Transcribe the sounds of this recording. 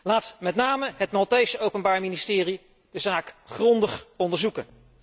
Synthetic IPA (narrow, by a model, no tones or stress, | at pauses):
laːtmɛtnaːməɦətmɑlˠtejsəowpənbaːɹministɪːri | d̥əzaːkχrɔndəχɔndəɹzukən